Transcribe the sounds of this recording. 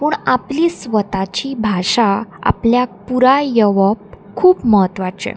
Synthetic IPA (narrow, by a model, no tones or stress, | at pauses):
puːɳapliːsʋət̪at͡ɕiːbʱaʂaa̰pljak̚puɾajəʋəp̚ | kʰuːpməɦət̪ʋat͡ɕḛ